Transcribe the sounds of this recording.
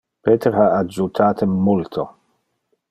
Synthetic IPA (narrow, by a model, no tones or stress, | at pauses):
peːt̪eɾaad͡ʒut̪ʰaːt̪ʰemult̪ʰo